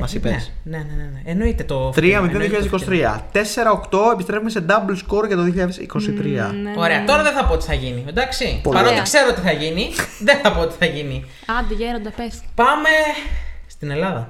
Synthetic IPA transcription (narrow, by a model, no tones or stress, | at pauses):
mɐsipesneneneneeno̞it̪et̪ot̪ɾiɐmioðioçiʎɐðesikosit̪ɾiɐ̰t̪e̞se̞ɾɐokt̪o̞epist̪ɾeumese̞d̪ɐblskoɾʝɐt̪oðioçiʎaɐðesiko̞sit̪ɾiɐ̰oɾeɐt̪o̞ɾɐðeθɐpo̞ot̪i̥θɐʝinid̪ɐksipopɐɾlo̞t̪ikseɾoot̪iθɐʝiniðenθɐpo̞ot̪i̥θɐʝini | ɐd̪iʝeɾond̪ɐpespɐme̞st̪ine̞lɐðɐ